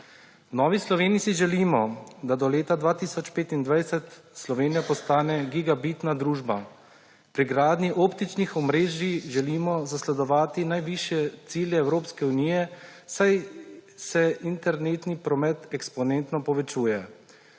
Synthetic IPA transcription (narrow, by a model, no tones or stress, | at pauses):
wnɔːʋislɔʋeːnisiʒɛliːmɔd̪ad̪ɔleːt̪ad̪ʋaːt̪isɔt͡ʃpeːt̪ind̪ʋajsɛt̪ | slɔʋeːnijapɔst̪aːnɛɡiɡabit̪nad̪ɾuːʒba | pɾiɡɾaːd̪niʔɔːpt̪it͡ʃnixɔmɾeːʒiʒɛliːmɔzaslɛd̪ɔʋaːt̪inajʋiʃjɛt̪siːljɛːwɾoːpskɛuniːjɛsajsɛint̪ɛɾneːt̪nipɾɔmɛt̪ɛkspɔneːnt̪nɔpɔʋɛt͡ʃuːjɛ